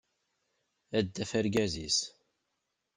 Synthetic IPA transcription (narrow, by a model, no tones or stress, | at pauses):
æd̪ːæfæɾɡæzis